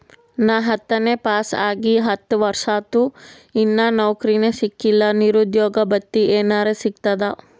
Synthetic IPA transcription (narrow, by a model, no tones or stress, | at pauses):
naːɦɐt̪ːɐneːpaːsaːɡiɦɐt̪ːʋɐɾʂaːt̪u | inːanɐwkɾinesikːilːɐniɾud̪jɔːɡɐbɐt̪ːieːnaːɾesikt̪ɐd̪ɐ